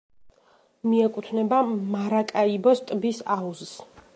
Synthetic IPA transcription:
miɛkʼut̪ʰnɛbamaɾakʼaibɔst̪ʼbisauzs

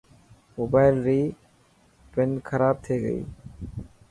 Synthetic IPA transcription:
moːbaːɪlɾiː | ʈɪnkʰəɾaːb̚t̪ʰeːɡə̰ḭː

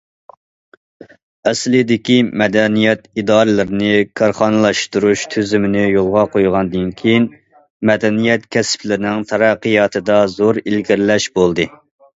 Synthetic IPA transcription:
ɛslɪd̪ɪkʲimɛd̪ɛnijɛt̪id̪ɑːɾɨlˠɨɾɪnɪkʰɑɾχɑnɨlˠɑʃt̪uɾuʃt̪ʰøzymɪnɪjolˠʁɑqʰojʁɑnd̪ɨnkʲʰejin | mɛd̪ɛnijɛt̪kʲʰɛsɪ̥plɪɾɪnɪŋt̪ʰɑɾɑqːɨjɑt̪ʰɨd̪ɑzoɾilɡʲiɾlɛʃbolˠd̪ɨ

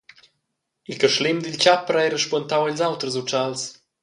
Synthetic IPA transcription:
ilkəʃlimd̪ilt͡ɕapəɾajɾəʃpɔnt̪awaɛlzawt̪ɾəzut͡ʃals

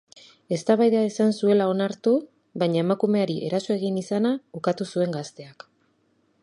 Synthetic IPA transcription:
e̞st̪aβajðaesansue̞lao̞naɾt̪u | βaɲae̞makume̞aɾiʔe̞ɾaso̞e̞ɣ̞inisanaukat̪usue̞ŋɡast̪e̞ak

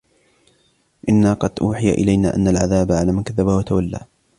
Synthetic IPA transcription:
ʔɪnːaːqɑd̪ʔuːħɪja̰ʔɪ̰lajna̰ːʔa̰nːalʕaðaːbaʕalaːmankaðːabahwat̪ʰawalːa̰ː

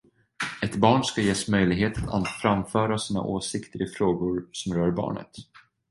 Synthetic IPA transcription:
ɛt̪bɑːɳskajeːsmœjlɪɡɦeːt̪at̪ʰa̰nfɾamfœːɾasiːna̰ʔoːsɪkt̪əɾɪfɾoːɡʊɾsɔmɾœːɾbɑ̰ːɳə̰t̪

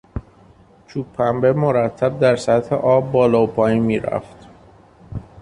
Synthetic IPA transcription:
t͡ʃʰuːppʰːæmbemoɾæt̪ʰːæb̚d̪æɾsæt̪hḛʔɒːbːɒːlɒːopʰɒːjinmiːɾæ̰ft̪

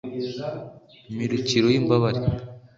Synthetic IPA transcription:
miɾuciɾojimbaβaɾi

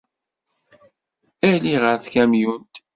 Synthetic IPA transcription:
æliʁəɾθkæmjunt̪

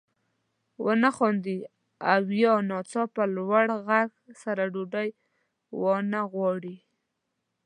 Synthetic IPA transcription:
wʔənaxɔnd̪i | awjɔnɑt͡sɑpəlwaɽɣaɡsaɾaɖoɖaj | wɔnaɣwɑɽi

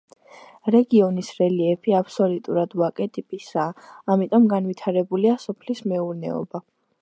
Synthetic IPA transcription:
ɾɛɡiɔnisɾɛliɛpʰiapʰsɔlit̪ʼuɾad̪wakʼɛt̪ʼipʼisaːmit̪ʼɔmɡanwit̪ʰaɾɛbuliasɔpʰlismɛuɾnɛ̰ɔ̰ba

